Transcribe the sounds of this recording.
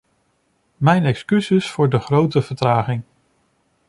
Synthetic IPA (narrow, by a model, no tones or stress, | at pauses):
mɛjnɛkskysɪsfʊːɹdəχrowtəv̥əɹtraːχɪŋ